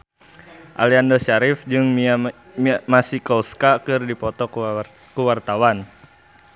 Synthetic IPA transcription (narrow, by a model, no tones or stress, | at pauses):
ʔa̰liandɔʃaɾɪfd͡ʒɨŋma | masikɔlskakɨrdipɔt̪ɔ | kuwart̪awan